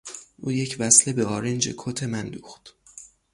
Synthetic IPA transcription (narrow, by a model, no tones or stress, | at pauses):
ʔuːje̞cʰvæsle̞beɒːɾend͡ʒe̞̰kʰot̪ʰe̞mænd̪uːxt̪